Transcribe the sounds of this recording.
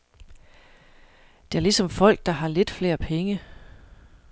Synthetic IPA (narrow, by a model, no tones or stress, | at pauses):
d̥e̝æɐlisɒ̽mfɒ̽l̰ɡ̥̚d̥ɑ̈ɦɑ̈le̝d̥fle̝̰ːɐpʰeŋə